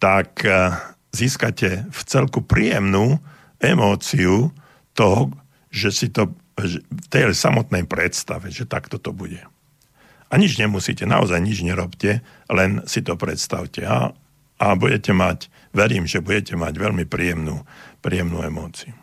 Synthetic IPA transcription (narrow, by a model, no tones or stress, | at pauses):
t̪ak | ziːskacɛft͡sɛlkupɾiːjɛmnuː | ɛmɔːt͡siu | t̪ɔɦɔ | ʒɛsit̪ɔ | ɛft̪ɛjsamɔt̪nɛjpɾɛt̪st̪aʋɛʒɛt̪a̰kt̪ɔt̪ɔbuɟɛ | ʔaɲid͡ʒɲɛmusḭcɛna̰ɔ̰zajɲid͡ʒɲɛɾɔpcɛ | lɛnsit̪ɔpɾɛt̪st̪aʊcɛa̰ | abuɟɛcɛmac | ʋɛɾiːmʒɛbuɟɛcɛma̰ɟʋɛʎmipɾiːjɛmnṵːpɾiːjɛmnṵːɛmɔːt͡siu